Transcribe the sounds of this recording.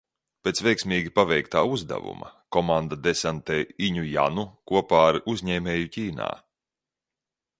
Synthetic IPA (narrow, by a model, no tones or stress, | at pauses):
pʲeːt̪svɛjksmʲiːɡʲipavɛjkt̪aːuzd̪a̰vṵmɐkɔmand̪ad̪ɛsant̪eːiɲuja̰nukuɔpaːɾʔuzʲɲɛːmʲɛːjuciːna̰ː